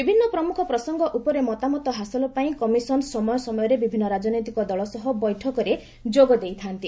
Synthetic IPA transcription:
bibʱinːɔpɾɔmukʰɔpɾɔsɔŋɡɔʔupɔɾemɔt̪amɔt̪ɔɦasɔlɔpaĩkɔmisɔnsɔmɔjɔsɔmɔjɔɾebibʱinːɔɾad͡ʒɔnɔjt̪ikɔd̪ɔɭɔsɔɦɔbɔjʈʰɔkɔɾe | d͡ʒoɡɔd̪ejt̪ʰant̪i

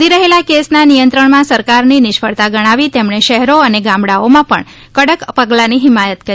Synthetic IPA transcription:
iɾəɦelakesnanijə̃nt̪ɾəɳmãsəɾkaɾninɪʃfʰəɭt̪aɡəɽ̃aʋit̪emɳeʃəɦɾoəneɡãmbɽaomãpə̰ɳ | kəɽəkpəɡlaniɦɪmajət̪kəɾ

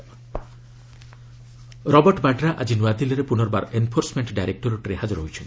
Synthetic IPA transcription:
ɾɔbɔɾʈɔbaɖɾaʔad͡ʒinuad̪ilɔɾepunɔɾɔbaɾenpʰoɾsmeɳʈɖajɾek̚ʈɔɾuʈɾeɦad͡ʒɔɾɦojt͡ʃʰɔn

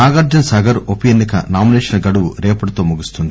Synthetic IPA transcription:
naːɡaːɾd͡ʒɐnsɐːɡɐɾopijenːikɐ̰naːmineːʃɐnɐɡɐɽuʋuɾɛːpɐɽɐt̪oːmuɡust̪und̪ii

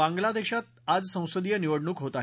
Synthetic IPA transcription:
ãŋɡlad̪eɕat̪̚ad͡zsə̃w̃səd̪ijəniʋəɽɳuːkɦot̪aɦ

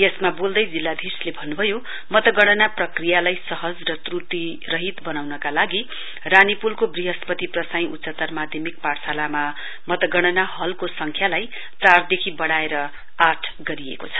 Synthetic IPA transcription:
jesmabold̪ʌjd͡zilːad̪ʱirslebʱʌnːubʱʌjo | mʌt̪ʌɡʌɽ̃ʌnaprʌkrijalajsʌɦʌd͡zrʌt̪rut̪i | rʌɦit̪bʌnawnʌkalaɡi | ranipulkobriɦʌspʌt̪iprʌsaj̃utːsʌt̪ʌrmad̪ʱjʌmik̚paɽsalama | mʌt̪ʌɡʌɽ̃ʌnaɦʌlkosʌŋkʰjalaj | t͡sard̪ekʰibʌɽaeɾʌ | aʈʰɡʌɾiḛkot͡sʰʌ̥

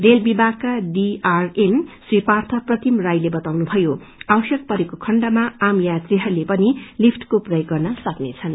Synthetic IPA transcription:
relbibʱaɡkaɖiarenswipart̪ʰʌprʌt̪imrajlebʌt̪awnubʱʌjo | awʌsjʌk̚pʌɾekokʰʌɳɖamaamjat̪riɦʌɾlepʌnilipʰʈkoprʌjɡʌrnʌsʌknet͡sʰʌn

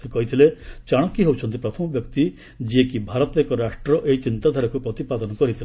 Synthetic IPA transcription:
sekɔɦit̪ʰilet͡ʃaɽ̃ɔkːiɦewt͡ʃʰɔnt̪ipɾɔt̪ʰɔmɔbjɔkt̪i | d͡ʒiekibʱaɾɔt̪ɔekɔɾasʂʈɾɔʔeit͡ʃint̪ad̪ʱaɾɔkupɾɔt̪ipad̪ɔnɔkɔɾit̪ʰile

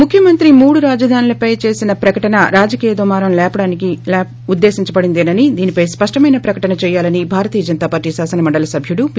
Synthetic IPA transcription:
mukʰːjɐmɐnt̪ɾimuːɽuɾaːd͡ʒɐd̪ʱaːnilɐpɐjt͡ʃe̞ːsinɐpɾɐkɐʈɐnɐɾaːd͡ʒɐkiːjɐd̪umaːɾɐmlɛːpɐɽaːnikilɛː | ud̪ːe̞ːsiɲt͡ʃɐbɐɽind̪eːnɐnid̪iːnipɐjspɐʂʈɐmɐjnɐpɾɐkɐʈɐnɐt͡ʃɛːjaːlɐnibʱaːɾɐt̪iːɐd͡ʒɐnt̪aːpaːɾʈiːsaːsɐnɐmɐɳɖɐlɐsɐbʱjuɽup

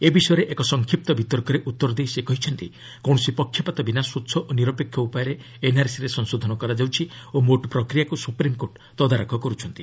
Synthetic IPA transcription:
ebisɔjɔɾeʔekɔsɔŋkʰip̚t̪ɔbʱit̪ɔɾkɔɾeʔut̪ːɔɾɔd̪ejsekɔɦit͡ʃʰɔnt̪i | kɔwɽ̃ɔsipɔkʰjɔpat̪ɔbinasutːʃʰɔʔoniɾɔpekʰːjɔupajɔɾe | enaɾsiɾesɔŋsod̪ʱɔnɔkɔɾad͡ʒawt͡ʃʰiomoʈpɾɔkɾijakusupɾimkoʈ | t̪ɔd̪ʱaɾakʰɔkɔɾut͡ʃʰɔnt̪i

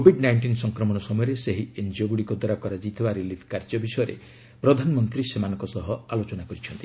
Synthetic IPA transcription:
kobʱiɖnajɳʈinsɔŋkɾɔmɔɽ̃ɔsɔmɔjɔɾeseɦiend͡ʒoɡuɽikod̪ɔɾakɔɾad͡ʒit̪ʰibaɾilipʰkaɾd͡ʒɔbisɔjɔɾḛ | pɾɔd̪ʱanɔmɔnt̪ɾisemanɔ̃ŋkɔsɔɦɔalot͡ʃɔnakɔɾit͡ʃʰɔnt̪i̥

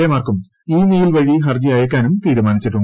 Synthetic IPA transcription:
emaːrkum | iːniːjilʋɐɻiɦɐrd͡ʑiɐjɐk̬ːaːnumt̪iːɾumaːnit͡ɕːiʈːuɳ

